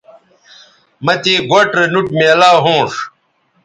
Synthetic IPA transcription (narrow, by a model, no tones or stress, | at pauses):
mɐt̪eːɡoʈɾenuʈmeɐlaːɦõːʂ